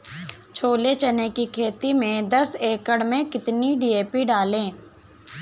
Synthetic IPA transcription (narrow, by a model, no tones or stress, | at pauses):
t͡ʃʰoːlet͡ʃənekikʰeːt̪imẽd̪əseːkəɽmẽkɪt̪niɖiːeːpiɖaːlẽː